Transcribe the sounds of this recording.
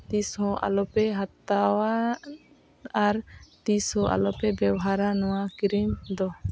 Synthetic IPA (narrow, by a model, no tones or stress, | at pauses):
t̪ishɔ̃ʔa̰lɔpɛɦat̪ːawa | ɾt̪ishɔ̃ʔa̰lɔpɛbɛwɔɦaɾanɔwakiɾimd̪ɔ